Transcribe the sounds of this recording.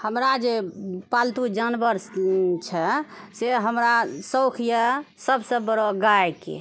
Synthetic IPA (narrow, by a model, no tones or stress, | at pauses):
həmɾad͡ʒepalt̪ud͡ʒənbəɾst͡ʃʰɛseɦəmɾasəwkʰjəsəbsə̃bbəɾoɡajkḛ